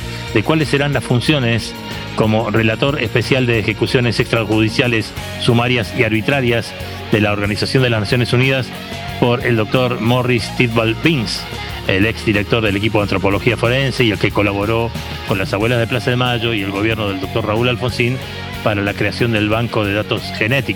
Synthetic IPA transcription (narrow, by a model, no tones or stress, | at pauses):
d̪e̞kwalesːe̞ɾanlasfunsjo̞nes | ko̞mo̞re̞lat̪o̞ɾespe̞sjald̪eːxe̞kusjo̞nesekst̪ɾaxuð̞isjalesː | umaɾjasiaɾβit̪ɾaɾjaz | ðe̞laoɾɣanisasjond̪elaznasjo̞nesuniðas | po̞ɾeld̪o̞k̚t̪o̞ɾmorist̪it̪βalbiŋs | eleksd̪iɾek̚t̪o̞ɾðele̞kipoðant̪ɾopo̞lo̞xiafo̞ɾe̞nse̞ielke̞ko̞laβo̞ɾo̞ | ko̞nlasaβwe̞lazð̞e̞plasaðemaʒo̞ie̞lɣo̞β̞jeɾnoð̞eld̪o̞k̚t̪o̞rraulalfo̞nsin | paɾalakɾe̞asjo̞nd̪e̞lβaŋko̞ð̞e̞ð̞at̪o̞sxe̞net̪ik